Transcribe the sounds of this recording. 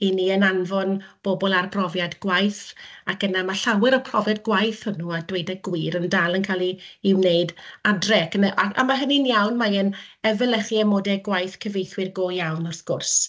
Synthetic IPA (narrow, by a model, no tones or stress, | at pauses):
iniənanvɔnb̥obɔlˠarpʰrɔvjadɡ̥wajθakənamaɬawɪɾɔpʰrɔvjadɡwajθhʊnuadwejdɛɡwiɾəndalˠənkʰalˠiɪwneɨdadrɛkənɛʔa̰a̰maɦəninjawnmaənɛvɪlˠəχiɛmoːdɛɡwajθkʰəvejθwɪrɡoːjawnɔrsɡ̥ʊrs